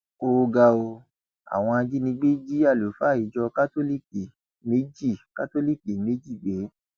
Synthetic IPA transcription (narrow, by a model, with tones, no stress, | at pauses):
o˧ɡa˧o˧ | a̰˨w̃ɔ̃˧a˧d͡ʒi˦nĩ˧ɡ͡be˦d͡ʒi˦a˦˨lo˨˦fa˦˨i˨d͡ʒɔ˧ka˦to˦li˦ki˨ | me˦d͡ʒi˦˨ka˦to˦li˦ke˨me˨˦d͡ʒi˦˨ɡ͡be˨˦